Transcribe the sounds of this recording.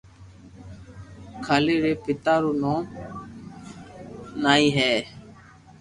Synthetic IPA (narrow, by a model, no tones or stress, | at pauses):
kʰaːleːɾeːpɪt̪aːɾoːnõː | naːĩːɦɛː